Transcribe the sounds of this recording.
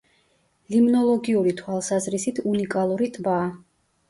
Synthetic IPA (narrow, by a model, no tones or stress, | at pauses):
limnɔlˠɔɡiuɾit̪ʰwalˠsazɾisit̪ʰunikʼalˠuɾit̪ʼbaː